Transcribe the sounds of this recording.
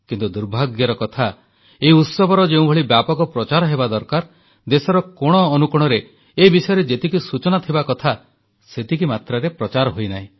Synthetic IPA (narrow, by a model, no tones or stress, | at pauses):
kint̪ud̪uɾbʱaɡjɔɾɔkɔt̪ʰa | eiut̪sɔbʱɔɾɔd͡ʒeũbʱɔɭibjapɔkɔpɾɔt͡ʃaɾɔɦebad̪ɔɾkaɾ | d̪esɔɾɔkɔɽ̃ɔːnukuɽ̃ɔɾe | ebisɔjɔɾed͡ʒet̪ikisut͡ʃɔnat̪ʰibakɔt̪ʰa | set̪ikimat̪ɾaɾepɾɔt͡ʃaɾɔɦojnaɦĩ